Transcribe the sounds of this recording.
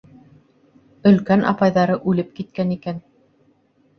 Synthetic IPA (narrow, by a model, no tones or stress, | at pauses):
ɵ̆lkænʔɑ̰pɑjðɑɾɤʔʉlɘp̚kit̪̚kænikæn